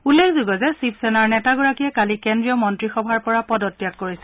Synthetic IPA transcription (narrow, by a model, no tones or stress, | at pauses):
ulːexzuɡɔzɛsipsɛnaɹnɛtaɡɔɹakijɛkalikendɹijɔmɔntɹixɔbʱaɹpɔɹapɔdɔtːjakkoɹisɛ